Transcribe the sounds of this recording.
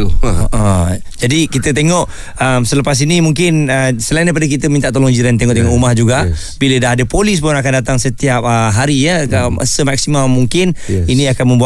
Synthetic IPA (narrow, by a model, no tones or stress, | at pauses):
əʔə | d͡ʒadikit̪ət̪eŋɔʔ | əmsələpas̬inimuŋkɪnəsəlaĩndajp̬adak̬it̪əmĩnt̪aʔt̪olɔŋd͡ʒiɾant̪eŋɔʔt̪eŋɔʔumahd͡ʒuɡa | bilədaɦadəpolis̬pʊnakandat̪aŋsət̪iap̚əɦaɾijəə̰səmak̚simamuŋkɪniniakanmə̃mbu